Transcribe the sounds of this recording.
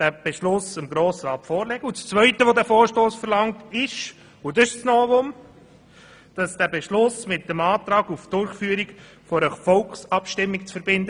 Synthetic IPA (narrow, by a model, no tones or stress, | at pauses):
d̥æːb̥ɛʃlʊsəmɡɾoːsəɾɑːtfɔːɾlɛɡ̥əut͡st͡svœʏtəʋodæːfoːɾʃtoːsfəɾlɑŋtɪʃ | udɑʃsnɔːvʊm | d̥ɑsd̥æːbɛʃlʊsmɪt̚ːəmɑːt̪ɾɑːɡufd̥ʊɾχfyːəɾik | fɔɾəfɔlkχsɑpʃtɪmːikt͡sfəɾbɪndə